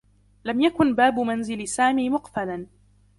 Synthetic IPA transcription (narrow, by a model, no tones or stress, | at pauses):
lamjakʊnbaːbʊmanzɪlsaːmiːmʊqfalan